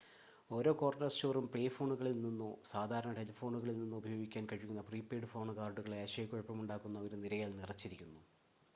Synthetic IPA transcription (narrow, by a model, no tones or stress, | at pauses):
o̞ːɾo̞ːko̞ːrnɐst͡ɕoːrumpɭeːfo̞ːɳuɣɐɭilninːusaːd̪ʱaːɾɐɳɐʈelifo̞ːɳuɣɐɭilninːuubʱɐjo̞ːɡikʲːaːnkɐɻikʲːunːɐpriːpːeːɖɨfoːɳɨkaːrɖuɣɐɭeɐɕɐjɐkːoɻpːɐmuɳɖaːkːunːɐʋɐɾuniɾɐjaːlnirɐt͡ɕːiɾikʲːunːu